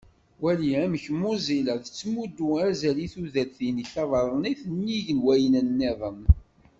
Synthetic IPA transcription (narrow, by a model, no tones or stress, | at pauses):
wæliæməçmʊziləðət͡sːmud̪ːuæzæliθuðælθiniɬɑðˤəɾˤniθənːiʝənwæjənənːɪðˤən